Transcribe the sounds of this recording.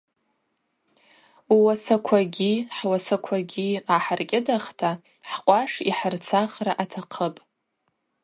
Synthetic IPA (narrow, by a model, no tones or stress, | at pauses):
wasakʷʰaɡʲiħwasakʷʰaɡʲiaħarkʲʼɪdaχtʰa | ħqʷʼaʂiħart͡sʰaχraʔatʰaqʰəpʼ